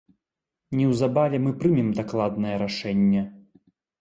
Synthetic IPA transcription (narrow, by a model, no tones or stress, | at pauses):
nʲɛwzabavʲɛmɨpɾɨmʲɛmd̪aklˠad̪nɐjɐɾaʂɛnʲːɛ